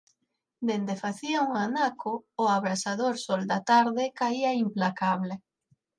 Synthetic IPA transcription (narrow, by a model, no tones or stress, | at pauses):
d̪end̪efaθiauŋanakʰʊʊaβɾasaðoɾsold̪at̪aɾðekaiɐimplakaβ̞le